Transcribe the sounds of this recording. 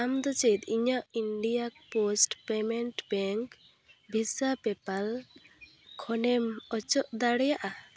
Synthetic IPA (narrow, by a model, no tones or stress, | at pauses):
amd̪ɔt͡ʃet̪iɲaʔiɳɖijak̚posʈpɛmɛɳʈbɛŋk | bʱisapɛpal | kʰɔnɛmɔt͡ʃɔʔd̪aɽɛjaʔa